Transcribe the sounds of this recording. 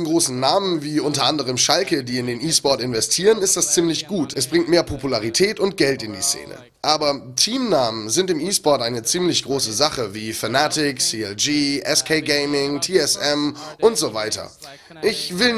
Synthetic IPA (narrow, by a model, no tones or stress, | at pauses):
n̩ɡʁoːsn̩naːmənviːʔʊntɐʔandəʁ̞əmʃalkədiːɪndeːnʔiːsb̥ɔɐtɪnvɛstʰiːʁənɪstd̥ast͡siːmlɪçɡ̥uːtɛsb̥ʁɪŋtmeːɐpʰopulaʁitʰɛːtʊnt̚ɡ̥ɛltɪndiːt͡sḛːnə̰ | ʔaːbɐtʰiːmnaːmənzɪntɪmiːsb̥ɔɐtʔaɪnət͡siːmlɪçɡ̥ʁoːsəzaχəviːfanaːtɪksiːɛld͡ʒiːʔɛskʰeɪɡeɪmɪŋtʰiːɛsʔɛmʔʊntz̥ovaɪtɐ̰ | ʔɪçv̥ɪl